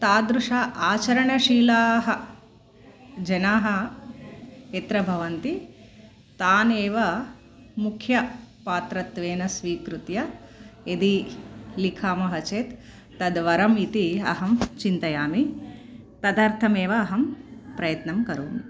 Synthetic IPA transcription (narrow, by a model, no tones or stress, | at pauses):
t̪aːd̪ɾuʂaːaːt͡ʃɐɾɐɳɐʃiːlaːɦɐ | d͡ʒɐnaːɦɐ | et̪ɾɐbʱɐʋɐnt̪i | t̪aːneːʋɐ | mukʰjɐpaːt̪ɾɐt̪ʋeːnɐsʋiːkɾut̪jɐed̪ilikʰaːmɐɦɐt͡ʃeːt̪ː | ɐd̪ʋɐɾɐmit̪iɐɦɐmt͡ʃint̪ɐjaːmi | t̪ɐd̪aːɾt̪ʰɐmeːʋɐːɦɐmpɾɐjɐt̪nɐmkɐɾo̰ːmi